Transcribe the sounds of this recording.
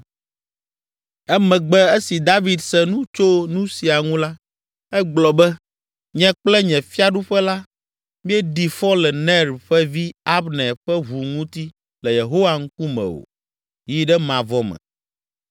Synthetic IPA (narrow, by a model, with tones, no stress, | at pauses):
ɛ˦mɛ̃˨ɡ͡bɛ˦e˦si˨d̪a˦vi˨d̪sɛ˦nũ˦t͡ʃo˦nũ˦si˨a˨ŋũ˦la˦ | ɛ˦ɡ͡blɔ˨bɛ˦ | ɲɛ̃˦k͡plɛ˦ɲɛ̃˨fi˦a˦ɖu˦ɸɛ˦la˦ | mĩ˦ɛ˦ɖi˨fɔ˦lɛ˨nɛ˦ɾɸɛ˦vi˦a˦bnɛ˨ɸɛ˦βu˨ŋũ˦t̪i˦ | lɛ˨je˨ɦo˦wa˨ŋ̩˦ku˦mɛ̰̃˨wo̰˨ | ji˦ɖɛ˦mã˨vɔ˦mɛ̰̃˨